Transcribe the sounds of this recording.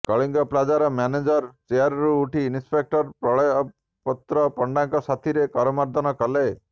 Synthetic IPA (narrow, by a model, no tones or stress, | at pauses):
kɔɭiŋɡɔplad͡ʒaɾɔmaned͡ʒɔɾt͡ʃejaɾɾuːʈʰiːnispek̚ʈɔɾpɾɔɭɔj | pɔt̪ɾɔpɔɳɖaŋkɔsat̪ʰiɾekɔɾɔmaɾd̪ʱɔnɔkɔle